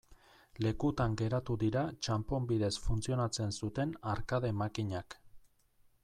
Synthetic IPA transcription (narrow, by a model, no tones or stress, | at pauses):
le̞kut̪aŋɡe̞ɾat̪uðiɾat͡ʃampo̞mbið̞e̞sfunt͡sio̞nat͡se̞nsut̪e̞naɾkaðe̞makiɲak